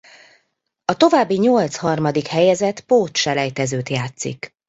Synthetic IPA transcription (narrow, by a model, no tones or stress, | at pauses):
ɒt̪o̞vaːbːiɲolt̪shɒrmɒd̪ikhɛjɛzɛt̪poːt̪ʃɛlɛjt̪ɛzøːt̪jaːt̪sḭk